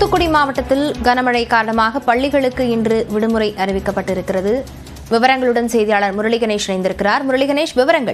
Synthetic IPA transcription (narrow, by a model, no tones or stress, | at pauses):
ʊt̪ːɯkːʊɽimaːʋɐʈːɐt̪ːɪlɡɐnɐmɐɻɐɪkːaːɾɐɳɐmaːɣɐpɐɭːɪɣɐɭɯkːɯɪndrɯʋɪɽɯmɯɾɐɪʔɐrɪʋɪkːɐpːɐʈːɪɾɯkːɪrɐðɯ | ʋɪʋɐɾɐŋɡɐɭɯɽɐnsɛjðɪjaːɭɐɾmʊɾɐɭɪɣɐneːʂɐnɐɪnd̪ɪɾɯkːɪraːɾmʊɾɐɭɪɣɐneːʂʋɪʋɐɾɐŋɡɐ̰ɭ